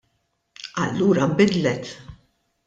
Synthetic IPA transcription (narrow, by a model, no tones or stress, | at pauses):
ɐ̰lːuːɾɐbɪd̪lɛt̪